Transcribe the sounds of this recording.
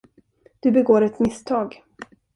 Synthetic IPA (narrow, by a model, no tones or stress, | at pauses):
d̪̥ɵbɛɡoːɾɛt̪mɪst̪ʰɑːɡ